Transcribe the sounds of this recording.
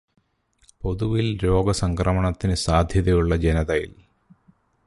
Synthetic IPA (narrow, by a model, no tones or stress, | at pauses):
po̞ðuʋilɾo̞ːɡɐsɐŋkrɐmɐɳɐt̪ːinɨsaːd̪ʱjɐðɐjuɭːɐd͡ʑenɐðɐjḭl